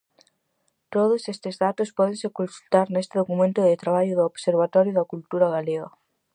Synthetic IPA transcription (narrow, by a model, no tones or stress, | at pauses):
t̪oðʊsest̪ɪzðat̪ospɔðẽŋsekõnsult̪aɾnest̪ɪðokumẽnt̪ʊðɪt̪ɾaβ̞aʎʊðʊoβseɾβ̞at̪ɔɾjʊðɐkult̪uɾaɣaleɣa